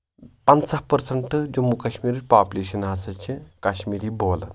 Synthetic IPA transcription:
pɐnsɐhpəɾsɐɳʈɨd͡ʒomukɐɕmiːɾipaːpuleɕɐnɦasɐt͡ʃʰikaɕmiːɾiːboːlɐ̰n

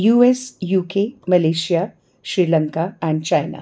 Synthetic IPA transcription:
juːesjuːkemɐleːʃija | ʃɾiːlə̃ŋkaɛ̃ɳɖt͡ʃaɪna̰ː

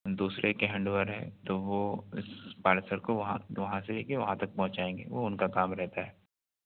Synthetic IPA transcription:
d̪uːsɾekeɦɐ̃ɳɖʋəɾɦɛ̰t̪oʋoɪspaːlesəɾkoʋɐɦã̰ʋɐɦãseɦekeʋɐɦãt̪ɐk̚pɐ̃ɦʊ̃t͡ʃaːẽːŋɡḛːʋoʊnkakaːmɾɛɦt̪aɦɛː

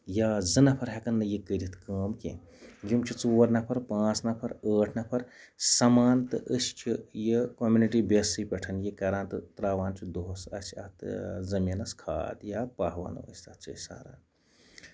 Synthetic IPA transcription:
jaːzɨnɐpʰɐɾɦɐkɐnːɨjikəɾʲit̪ʰkəːmkḛ | ɡimt͡ʃʰit͡suːɐɾnɐpʰɐɾpãːt͡snɐpʰɐɾəːʈʰnɐpʰɐɾ | sɐmaːnt̪ɨʔəst͡ʃʰijəkomjuniʈibesɨpʲɐʈʰɐnjikɐɾaːnt̪ɨt̪ɾaːʋaːnt͡ʃʰid̪oːsɐ̰t͡ʃʰɐ̰t̪zɐminɐskʰa̰ːd̪japaɦʋa̰ːn̰ə̰sʲt̪ɐt̪t͡ʃɐ̰sa̰ːɾa̰ːn

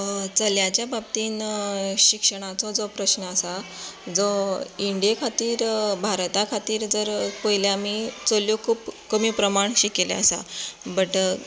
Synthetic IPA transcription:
t͡səljat͡ɕjabab̚t̪iːnɕikʂəɽ̃at͡sɔd͡zɔpɾəɕnəəsad͡zɔiɳɖijekʰat̪iːɾbʱaɾt̪akʰat̪iːɾd͡zəɾpəɦiljaamit͡soljokʰuːpkəmiːpɾəmaɳɕikelḛəsa̰bəʈ

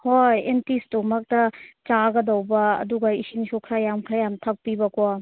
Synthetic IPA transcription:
hojentistomɐk̚tɐt͡ʃaɡɐdɐwbɐɐ̰duɡɐisinsukʰɾajamkʰɾajamtʰak̚pibɐkɔ

